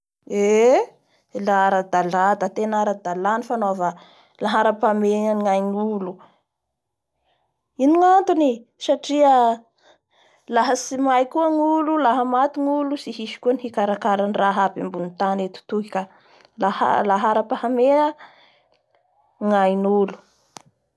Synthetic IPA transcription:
e | laaɾad̪alad̪at̪enaɾad̪alanifanova | laɦaɾapameŋajnulu | iniŋant̪unisaʈ͡ʂiə | laɦəsimajkuəŋululaɦəmat̪iŋulusihiʃi̥kuənihikaɾakaɾanraɦapimbunit̪anet̪u̥t̪uki̥ka | laha̰laɦaɾapahamea | ŋajnulu̥

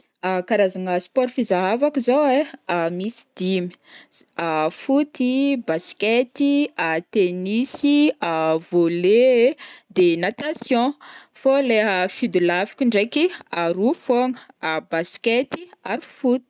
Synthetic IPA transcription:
akaɾazaŋəspɔɾfizaɦavakizoweamisi̥d̪̥imi̥afut̪ibasket̪iat̪enisiavoled̪enat̪asjɔ̃foleɦəfid̪ulafi̥kʲiɳɖ͡ʐekiaɾufoŋəabasket̪iaɾifut̪i̥

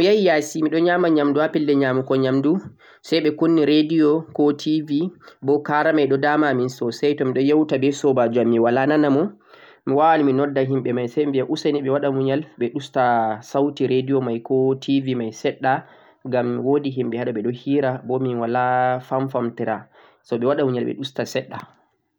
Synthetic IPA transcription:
jajijasimiɗɔɲaːmaɲamduapɛlːɛɲaːmukɔɲamdu | sajɓɛkonːiɾedijɔkɔtʰivibɔkaɾamajɗɔdamaminsɔsɛjtɔmiɗɔjawtabɛsɔbad͡ʒuamːiwalananamɔ | miwawaliminɔdːaɦimɓɛmajsɛjmbiaʔusaniɓɛwaɗamuɲalɓɛɗustasawtiɾedijɔmajkɔtʰivimajsɛɗːa | ɡamwodiɦimɓɛhaɗɔɓɛɗɔhiːɾabɔminwalafaɱfamtɛɾa | sɔɓɛwaɗamuɲalɓɛ̰ɗustasɛɗːa

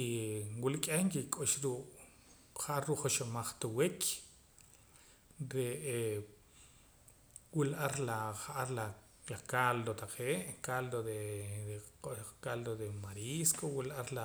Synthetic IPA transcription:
iwulkʼeŋkikʼoʃɾuːʔ | χaʔaɾːuːʔχoʃomaχt̪uwekʰ | ɾee | wulʔaɾlaχaʔaɾla | lakald̪ot̪aqʰeːʔkald̪od̪e | kald̪od̪emaɾiskowilʔaɾla

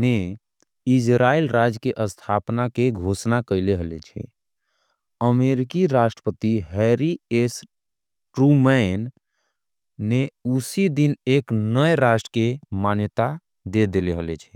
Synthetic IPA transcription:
ne | id͡ʒɾailɾad͡ʒkeʔəst̪ʰapnakeɡʱosnakəɪleɦəlet͡ʃʰɛ̰ | əmeɾikiɾaʃʈɾəpət̪iɦɛɾies | ʈɾumɛn | eusid̪ineknəjɾasʈɾəkemanjət̪a | d̪ed̪eleɦəlet͡ʃʰɛ̥

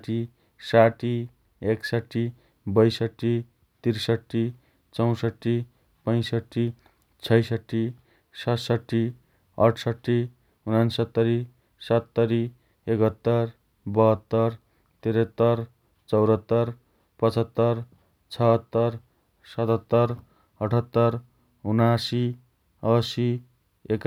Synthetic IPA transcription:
ʈi | saʈi | eksʌʈːi | bʌjsʌʈːi | t̪iɾsʌʈːi | t͡sʌw̃sʌʈːi | pʌ̃j̃sʌʈːi | t͡sʰʌjsʌʈːi | sʌsʌʈːi | ʌ̰ʈʰsʌʈːi | unansʌt̪ːʌɾi | sʌt̪ːʌɾi | ekʌt̪ːʌr | bʌɦʌt̪ːʌr | t̪eɾʌt̪ːʌr | t͡sʌwɾʌt̪ːʌr | pʌt͡sʌt̪ːʌr | t͡sʰʌɦʌt̪ːʌr | sʌt̪ʌt̪ːʌr | ʌʈʰʌt̪ːʌɾ | unasi | ʌsi | ek

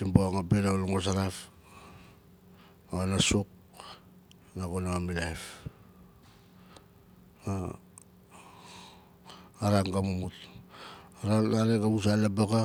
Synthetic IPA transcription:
imboaŋapeɾaluŋos̬aɾap | aanasuk̚ | nakonaamilajf | a | aɾaŋɡamumut | aɾaaɾekaβus̬alabaka

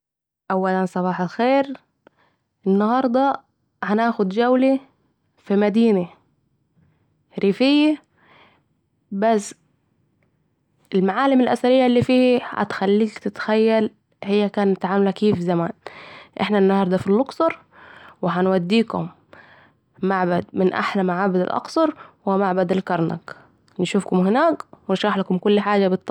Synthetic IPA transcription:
ʔawːalansˤɑβɑːħalxeːɾ | ʔɪnːɑhɑɾˤd̪ˤɑ | hanaːxʊd̪d͡ʒawli | fimad̪iːna | ɾiːfɪjːa | bas | ɪlmaʕaːlɪmɪlʔa̰saɾɪjːalːiːfiːhha̰t̪xalːiːkt̪ɪt̪xajːal | hɪjːakaːnɪt̪ʕaːmalakiːfzamaːnʔɪħnanːahɑɾˤd̪afilːʊksˤɑɾˤ | wɪɦanwad̪ːiːkʊ̰m | aʕbad̪mɪnʔa̰ħlamaʕaːbad̪ɪ̰lʔɑ̰qsˤɑɾˤwɪmaʕbad̪ɪlkɑɾˤna̰k | nʃuːfkʊmɦɪnaːkwɪnʃɾɑːħlakʊmkʊlːħaːd͡ʒabɪt̪ːˤɑ

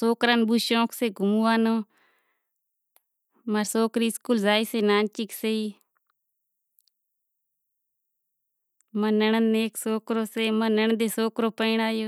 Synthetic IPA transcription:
soːkɾaːnbuːʃõːkʰseːɡʱʊmuːaːnoː | məɾsoːkɾiːskuːlzaːiːseːnaːnt͡ʃikseiː | mənəɳəneːksoːkɾoːseːmənəɳd̪eːsoːkɾoːpəiɳaːjoː

